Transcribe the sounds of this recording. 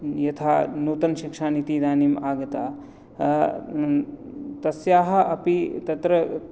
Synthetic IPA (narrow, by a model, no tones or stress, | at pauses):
jɐt̪ʰaːnuːt̪ɐnʃikʂaːnit̪iːd̪aːniːmaːɡɐt̪aː | t̪ɐsjaːɦɐ̆ɐpit̪ɐt̪ɾɐ